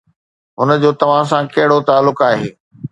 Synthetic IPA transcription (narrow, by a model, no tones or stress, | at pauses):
ɦʊnə̆d͡ʑoːt̪ɐʋ̤ãs̬ãkɐɦɪɽot̪aːlːʊkaːɦeː